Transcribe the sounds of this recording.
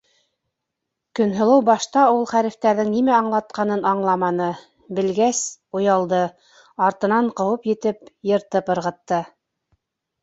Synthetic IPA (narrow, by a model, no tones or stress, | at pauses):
kɵ̆nɦɤ̆lˠɤwbɑʃt̪ɑulˠχæɾɘ̆ft̪æɾðɘŋnimæɑɴlˠɑt̪̚qɑnɤnɑɴlˠɑmɑnɤ | bɘ̆lɡæsŭjɑlˠd̪ɤ | ɑɾt̪ɤ̆nɑɴqɤ̆wɤpjɘ̆t̪ɘpjɤ̆ɾt̪ɤpɤ̆ɾʁɤ̆t̪ːɤ